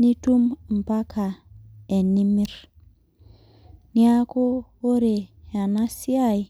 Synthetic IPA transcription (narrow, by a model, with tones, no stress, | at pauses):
ni˦tu˦m˨m̩˨pa˦ka˨e˨nːi˦mi˦ɾ | ni˦a˦ko˦wo˦ɾe˨ja˨na˦si˦a˦i˨